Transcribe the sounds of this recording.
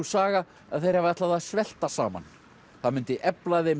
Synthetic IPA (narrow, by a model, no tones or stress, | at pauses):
usaːɣa | a̰ðθejɾ̥havaɛht̪laðaðsvɛl̥t̪asaːma̰n | θaðmʏnt̪ɪʔɛplaðejm